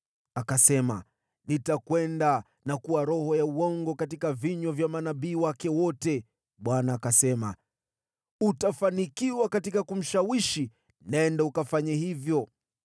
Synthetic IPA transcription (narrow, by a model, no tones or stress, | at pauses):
akasɛma̰ | nitakwɛnda | nakuwaɾɔhɔjauwɔŋɡɔkat̬ikaviɲwavjamanaɓiːwakɛwɔtɛ | ɓwanaːkasɛma̰ | utafanikiwakatikakum̩ʃawiʃi | naɛndaukafaɲahivjɔ